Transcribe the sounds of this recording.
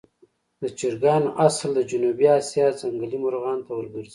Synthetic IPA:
d̪ət͡ʃɪɾɡɑnʔasld̪əd͡ʒunubiɑsjɑzaŋɡalimʊɾɣɑnt̪awəlɡəɾz

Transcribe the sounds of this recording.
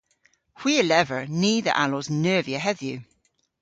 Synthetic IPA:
hw̥iːəlɛvə˞niːðə̰ʔalɔznɜːviəɦɛðjʉ

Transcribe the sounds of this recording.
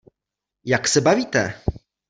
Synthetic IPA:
jaksɛbaviːt̪ɛ

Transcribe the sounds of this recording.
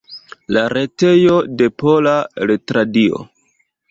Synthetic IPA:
laɾe̞te̞jo̞de̞polaletɾadio̰

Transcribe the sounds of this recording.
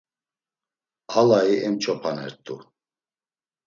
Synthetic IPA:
halaiʔɛmt͡ʃʰɔpʰanɛ̰ɾt̪ʼṵ

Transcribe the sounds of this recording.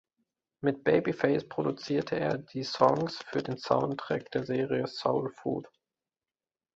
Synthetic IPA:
mɪt̚b̥eɪbifɛɪspʁ̥odut͡siːɐtʰəeːɐdiːsɔŋsfyːɐdeːnsa̰ʊntʁ̥ɛ̰k̚d̥eːɐzeːʁiəsoʊlfṵːt

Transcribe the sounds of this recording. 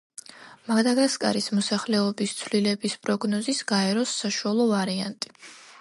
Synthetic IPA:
maɡd̪aɡaskʼa̰ɾismɔsaχlɛɔbist̪sʰvlilɛbispʼɾɔɡnɔzisɡ̥aɛɾɔsːaʃualˠɔvaɾiant̪ʼi̥

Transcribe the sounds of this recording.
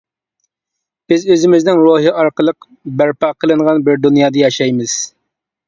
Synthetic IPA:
b̥ɪzøzɪmɪznɪŋɾoɦiʔɑɾqəlˠəq | bæɾpɑqʰəlˠɨɴʁɑnbɪɾd̪unjɑːd̪ɑjɑʃɛjmɨz̥

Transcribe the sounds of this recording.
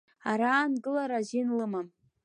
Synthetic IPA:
aɾaːnɡɨlaɾaʒɪnlɨmam

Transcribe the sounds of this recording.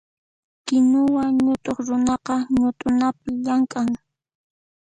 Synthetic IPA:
kɪnʊwaɲʊt̪ʼoχɾʊnɑqɑɲʊt̪ʼʊnapɪʎaŋkʼaŋ

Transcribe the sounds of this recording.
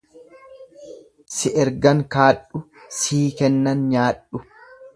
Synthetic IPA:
sɪʔɛɾɡɐŋkaːɗːʊ | siːkɛnːɐnɲaːᶑʊ

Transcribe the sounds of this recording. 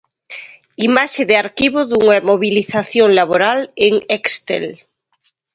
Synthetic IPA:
imaʃeðeaɾkiβoðuŋamoβiliθaθjoŋlaβoɾaleŋekst̪ḛl

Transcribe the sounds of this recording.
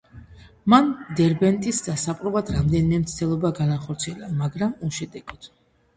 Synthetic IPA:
mand̪ɛɾbɛnt̪ʼisd̪asapʼɾɔvad̪ɾamd̪ɛnimɛmt̪sʰt̪ʰɛlˠɔbaɡanaχɔɾt̪sʰiɛlamaɡɾamuʃɛd̪ɛɡɔd̪̥

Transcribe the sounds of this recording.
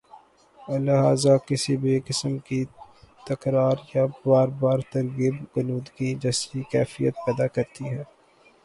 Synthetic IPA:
lɪɦaːzakɪsibekɪsəmkit̪ɐkɾaːɾjabaːɾbaːɾt̪ɐɾɡɪbɡʊnuːd̪ɡid͡ʒɐsɾikɛːfijət̪̚pɛːd̪akɐɾt̪iɦɛː

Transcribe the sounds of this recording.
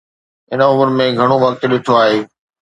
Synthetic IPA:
ɪnʊmʊɾmẽɡʱɐɽ̃oʋɐk̚t̪ɗɪʈʰoaːɦeː

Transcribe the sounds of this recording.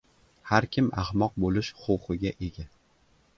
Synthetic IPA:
haɾkʲɪmʔa̰hmɒq̚bolɪʃχowχɨɡʲaʔeɡʲa

